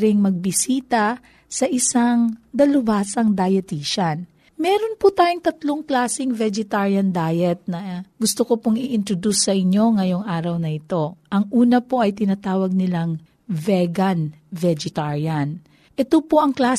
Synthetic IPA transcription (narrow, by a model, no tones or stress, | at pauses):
ɾɪŋmɐɡ̚bɪsiːt̪ɐ | sɐʔɪsaŋd̪ɐlʊbaːsɐŋd̪ajɛt̪iʃɐn | mɛːɾonpʊt̪aːjʊŋt̪ɐt̪loŋklaːsɪŋvɛd͡ʒɛt̪aɹjɐnd̪aːjɛt̪̚nɐɡʊst̪okopoŋɪʔɪnt̪ɾod̪usːɐʔɪɲo̞ŋɐjo̞ŋʔaːɾɐwnɐʔɪt̪o̞ʔɐŋʔuːnɐpo̞ʔɐjt̪ɪnat̪aːwɐɡ̚nɪlaŋ | vɛɡɐn | vɛd͡ʒɛt̪aɹiɐn | ʔɛt̪opoʔɐŋklaː